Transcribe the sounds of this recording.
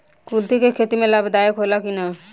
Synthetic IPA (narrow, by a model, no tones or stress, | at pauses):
kult̪ikekʰeːt̪imẽləbʱd̪aːjəkɦolakina